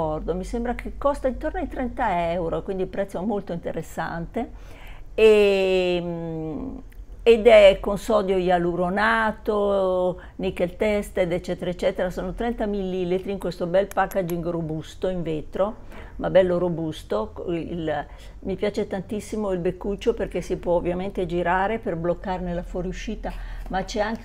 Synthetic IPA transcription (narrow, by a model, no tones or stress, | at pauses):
ɔrd̪omisembɾakʰekːɔst̪aint̪ornoajt̪ɾɛnt̪aɛwɾokwind̪ilpɾɛt̪sːoɛmːolt̪oint̪eɾesːa̰nt̪e | e | m | ed̪ɛkːonsɔd̪jojaluɾonaːt̪o | nikːelt̪ɛst̪ed̪et͡ʃːɛːt̪eɾaet͡ʃːɛːt̪eɾasoːnot̪ɾɛnt̪amilːilit̪ɾiːŋkwest̪obɛlpakːad͡ʒiŋɡrobust̪oiɱveːt̪ɾo | mabɛlːoɾobust̪oil | mipjaːt͡ʃet̪ant̪isːimoilbekːut͡ʃːoperkesipwɔovːjament̪ed͡ʒiɾaːɾeperblokːarnelafwɔɾjuʃːiːt̪amat͡ʃɛaŋk